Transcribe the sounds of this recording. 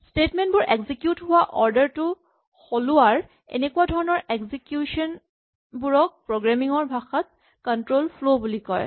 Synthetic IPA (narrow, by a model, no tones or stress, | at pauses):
stetmentbʊɹʔeɡzikjutɦʊwaʔɔɹdəɹtʊ | xolʊwaɹ | ḛnekʊadʱɔɹɔnɔɹekzikjuʃɔn | buɹɔk̚pɹoɡɹamiŋɔɹbʱaxat̪̚ | kɔntɹolflobulikɔ̰ɹ